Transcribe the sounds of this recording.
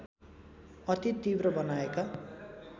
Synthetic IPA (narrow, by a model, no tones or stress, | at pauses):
ʌt̪it̪ibrʌbʌnaeka